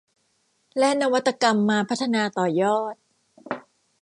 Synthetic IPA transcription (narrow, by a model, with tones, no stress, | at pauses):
lɛ˦˥ʔna˧wa˦˥t̪ːa˧ka˧mːaː˧pʰa˦˥t̪ʰːa˧naː˧t̪ɔː˨˩jɔː˥˩t̪̚